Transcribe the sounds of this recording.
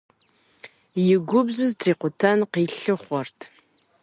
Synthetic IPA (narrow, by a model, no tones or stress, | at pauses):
jɪɡʷʊbzɨzdriːqʷʊtʰɐnqiːɬɨχʷɔrtʰ